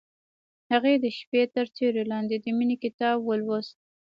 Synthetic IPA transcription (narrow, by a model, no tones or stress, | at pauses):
haɣed̪əʃpet̪əɾt͡seɾelɑnd̪ed̪əminikɪt̪ɑbwəlwoz